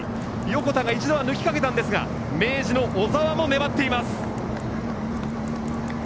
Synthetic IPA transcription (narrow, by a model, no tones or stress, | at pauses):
jo̞ko̞t̪aŋɡait͡ɕid̪o̞β̞anɯ̟kʲi̥kake̞t̪ãnd̪e̞sɨɡa̰ | me̞ːʑino̞ʔːzaβamo̞ne̞bat̪ːe̞imasɨ̥